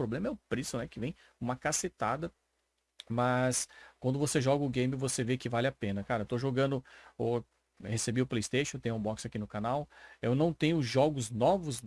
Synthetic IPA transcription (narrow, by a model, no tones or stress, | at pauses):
pɾoblẽmɐɛʊpɾisew̃nɛkɪvẽj̃ | ũmɐkaset̪ad̪ɐ | mɐskwɐ̃nd̪ʊvoseʒɔɡɐʊɡẽj̃mɪvosevekɪvalɪapẽnɐkaɾɐewt̪oʒoɡɐ̃nd̪ʊo | hesebiʊplejst̪eʃõt̪ẽɲʊ̃ũbɔksakinʊkanawewnɐ̃w̃t̪ẽɲʊʒɔɡʊznɔvʊz